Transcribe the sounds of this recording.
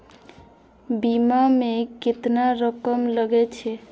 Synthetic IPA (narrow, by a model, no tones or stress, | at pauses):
bimameket̪naɾəkəmləɡɛt͡ʃʰɛ